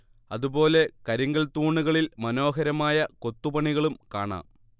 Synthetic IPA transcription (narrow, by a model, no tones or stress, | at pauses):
ɐðubo̞ːle̞kɐɾiŋɡɐlt̪uːɳːuɣɐɭilmɐno̞ːɦɐɾɐmaːjɐko̞t̪ːupɐɳiɣɐɭumkaːɳa̰ːm